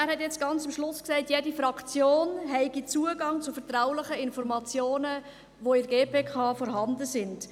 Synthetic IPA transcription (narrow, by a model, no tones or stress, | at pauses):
æːɾhɛtjɛt͡sɡ̥ɑnt͡sɪmʃlʊsksɛɪtjɛdifɾɑkʰt͡sjoːnɦɛɪɡit͡suəɡɑŋt͡sʊfɛɾtɾaʊlɪχəɪnfɔɾmɑt͡sjoːnə | ʋoɪɾɡeːpeːkʰɑːfɔɾɦɑndəsɪnd̥